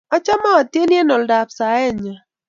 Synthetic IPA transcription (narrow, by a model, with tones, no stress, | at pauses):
a˦t͡ʃa˦ma˦a˨tje˦nje˦nɔ˨lda˨psa˨ɛ˦˨ɲa˨